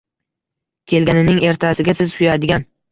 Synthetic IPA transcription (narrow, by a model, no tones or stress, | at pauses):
kʲʰe̞lɡʲanɪnɪŋe̞ɾt̪ʰasɪɡʲasɪzsʊjad̪ɪɡʲan